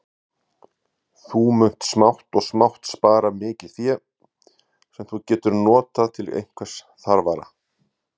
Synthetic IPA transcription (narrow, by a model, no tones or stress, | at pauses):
θumʏn̥t̪smawht̪ɔɣsmawht̪spaːɾamɪːcɪlθjɛ | sɛmθucɛːt̪ʏɾnɔːt̪at̪ʰɪlḛjŋ̥kʰvḁs | θaɾvaɾa̰